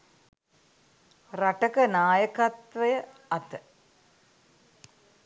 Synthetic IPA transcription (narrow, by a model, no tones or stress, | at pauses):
rɐʈɐkɐnaːjɐkɐt̪ʋɐjɐ | ɐt̪ːɐ